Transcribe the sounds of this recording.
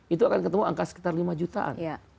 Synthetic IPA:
it̪uakankət̪əmua̰ŋkasə̥ki̥t̪arlimad͡ʒut̪a̰ʔa̰nja

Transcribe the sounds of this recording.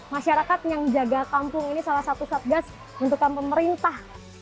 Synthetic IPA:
maʃaɾakat̪̚jaŋd͡ʒaɡakampʊŋinisalahsat̪usat̪̚ɡas | bənt̪̬ukanpəməɾint̪ah

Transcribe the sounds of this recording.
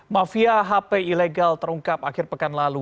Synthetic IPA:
mafiaɦapeileɡalt̪əɾuŋkapakɪrpəkanlalu

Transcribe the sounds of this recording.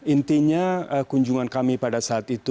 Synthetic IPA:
int̪iɲaəkuɲd͡ʒuŋankamipadasaːt̪it̪u

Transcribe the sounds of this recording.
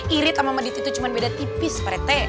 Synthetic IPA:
ʔiɾɪt̪amamadit̪it̪ut͡ʃumanbedat̪ipɪspaɾɛt̪ɛ

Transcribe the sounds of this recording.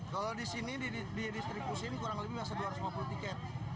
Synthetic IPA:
kalodisiniididist̪ɾibusinkuɾaŋləbɪhmasaduarsmaput̪ikɛt̪̚

